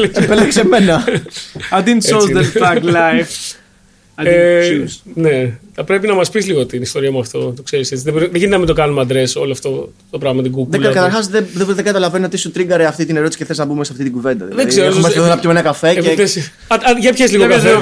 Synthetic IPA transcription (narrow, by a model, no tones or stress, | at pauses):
lepele̥seme̞nɐ | ɐd̪insozðeaklaf | e | neθɐpɾe̞pinɐmɐspizliɣot̪inist̪o̞ɾiɐmuɐft̪o̞t̪okseɾiset͡siðeboɾiðeʝinɐmind̪okɐnumeɐnd̪ɾeso̞loɐft̪o̞ | t̪opɾɐɣmɐɐt̪iɡuɡðlɐkɐt̪ɐɾxɐsðeðeðeɡɐt̪ɐlɐve̞nio̞t̪isut̪ɾiŋɡɐɾeɐft̪it̪ineɾo̞t̪isiceθe̞znɐbumesɐft̪it̪iɡuve̞nd̪ɐððeðiɡzeɾemɐsonɐptimenɐkɐfe̞ees | ʝɐpçezliɣoe